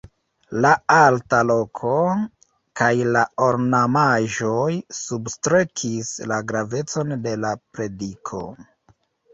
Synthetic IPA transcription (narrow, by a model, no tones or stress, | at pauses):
laaltalo̞kʰo | kajlaoɾnamaʒo̞jsubstɾe̞kʰislaɡɾave̞t͡so̞nde̞lapɾe̞dikʰo̞̰